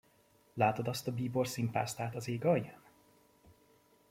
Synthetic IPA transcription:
laːt̪od̪ɒst̪ɒbiːborsimpa̰ːst̪aːt̪ɒzeːɡɒj

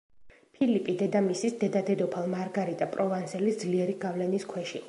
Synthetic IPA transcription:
pʰilipʼid̪ɛd̪amisisd̪ɛd̪ad̪ɛd̪ɔpʰalˠmaɾɡaɾit̪ʼapʼɾʔɔvansɛlisd̪zliɛɾiɡavlɛniskʰwɛʃi

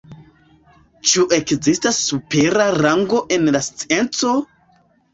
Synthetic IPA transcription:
t͡ʃuʔekzistasːupeɾaraŋɡo̞ʔenlast͡sient͡so

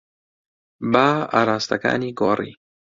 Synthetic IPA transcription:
baːa̰ɾaːst̪aka̰ːniɡoɾḭ

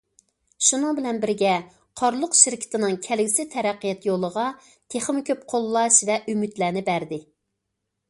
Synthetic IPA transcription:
ʃunɨŋbɪlɛnbɪɾɡʲɛ | qʰɑɾlˠʊqʃɪɾkʲʰɪ̥t̪ɪnɨŋkʲʰɛlɡʲɪsɪt̪ʰɛɾæqːijɛt̪jolˠəʁɑ | t̪ʰeχmɪkʲøp̚qʰolˠːɑʃvɛʔymyt̪læːnɪbæɾd̪ɪ

